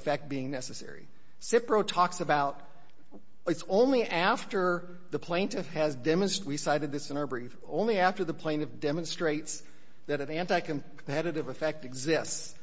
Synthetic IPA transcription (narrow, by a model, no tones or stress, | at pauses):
fɛk̚t̚b̥iɪ̃ŋnɛsɨsɛ̰ɹḭ | sɪpɹoʊtʰɔksɨbaʊt̚ | ɨtsõʊ̃nliʔæftə˞ | ðɨpʰl̥ẽɪ̃ntɨfɨzdɛmɨ̃nst̚wisaɪɾɨd̪̚ðɪsɨ̃nə˞bɹifõ̰ʊ̃nliæftə˞ðɨpʰl̥ẽɪ̃ntɨfd̥ɛmə̃nstɹ̥eɪts | ðɨɾɨ̃næ̃ntaɪkɨ̃m | pʰɛɾɨɾɨvɨfɛk̚tɨɡzɪsts